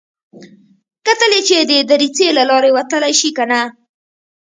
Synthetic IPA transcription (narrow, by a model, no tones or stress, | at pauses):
kat̪əlet͡ʃed̪əd̪aɾit͡selalɑɾewat̪əlajʃikana